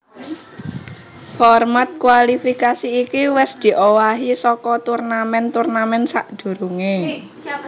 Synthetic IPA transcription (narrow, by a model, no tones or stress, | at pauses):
hɔrmat̪̚kwalifikasiːkiwɛsd̪̥i̤ʔowaɦisɔkɔt̪urnamɛnt̪urnamɛnsaʔd̪̥o̤ɾuŋe